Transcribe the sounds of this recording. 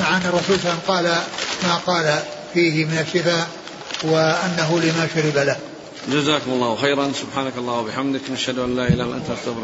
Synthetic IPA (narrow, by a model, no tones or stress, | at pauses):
maʕaʔanːɨrˤːɑsuːlsalːamqɑːlamaːqɑːla | fiːhɪmɪnaʃːɪfaːʔ | wɪʔanːaɦʊlɪmaːʃʊɾɪbalah | d͡ʒazaːkʊmʊlˤːɑːwxejɾˤɑnsʊbħaːnakɑlˤːɑːhwabɪħamd̪ɪkʔaʃhad̪ʊʔalːaːʔɪlaːhɪlʔant̪ʔast̪abɾ